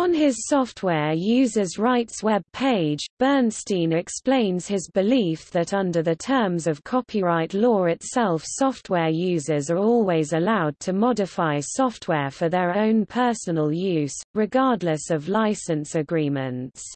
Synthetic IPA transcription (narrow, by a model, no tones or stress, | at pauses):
ə̃nɪz̥sɒftʰwɛːjʉːzəzɹaɪtswɛb̚pʰeɪd͡ʒb̥ɜːnstĩːnɹɛksplẽɪ̃nz̥ɪzbɪliˑfðətʌ̃ndəðətʰɜːmzəv̥kʰɒpʰiɹaɪʔlɔːɹɪtsɛlˠfsɒft̚ʰwɛːjʉːzəzəɹɔːlˠwizəlaʊd̚tʰəmɒdɪfaɪsɒft̚ʰwɛːfəðəɹə̃ʊ̃npʰɜˑsənəlˠjʉːz̥ɹɪɡɑːdˡləsəvlaɪsə̃nsəɡɹĩːmə̃nts